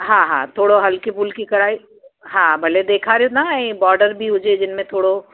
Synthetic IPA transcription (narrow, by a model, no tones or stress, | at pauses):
ɦãːɦã̰ːt̪ʰoːɽoɦɐlkipulkikɐɾaːi | ɦãbʱɐled̪eːkʰaɾeunaebɔːɾɖəɾbʱiɦʊd͡ʒed͡ʒɪnmẽt̪ʰoːɽo